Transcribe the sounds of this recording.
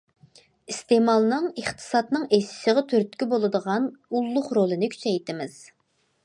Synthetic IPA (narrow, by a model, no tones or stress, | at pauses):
ist̪emɑlˠnɨŋəχt̪ʰɨ̥sɑt̪nɨŋesɪ̥səʁɑt̪ʰøɾt̪kʲibolˠɨd̪əʁɑnulˠːʊχɾolˠɨnɪkʲʰy̥t͡ʃʰɛjt̪ɪmɪz̥